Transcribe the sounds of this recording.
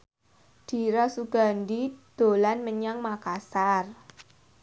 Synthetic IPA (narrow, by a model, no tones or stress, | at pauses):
d̪̥i̤ɾɔsuɡ̥a̤ndid̪̥o̤lanməɲaŋmakasar